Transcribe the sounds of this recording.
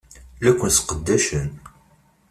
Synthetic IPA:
lækʷːənsqəd̪ːæʃən

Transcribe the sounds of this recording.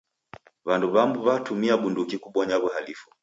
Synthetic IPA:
βanduβambuβatumiaɓundukikuɓwɔɲaβuɦalifu

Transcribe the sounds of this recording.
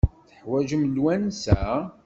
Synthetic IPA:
θəħwæʒəmlwænsæ

